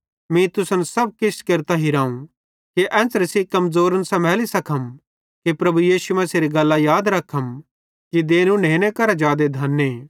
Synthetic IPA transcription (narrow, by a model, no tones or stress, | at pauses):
mĩt̪ʊsənsɐb̚kɪskeːɾt̪aɦiɾãːũ | kiʔɛ̃ːsɾəsikɐmzoːɾənsɐmɛːlisɐkʰəm | kipɾɐbujiːsumɐseɾiɡɐlːajaːd̪ɾɐkʰːəm | kid̪eːnũneːnẽkɐɾad͡ʒaːd̪ed̪ʱɐnːeː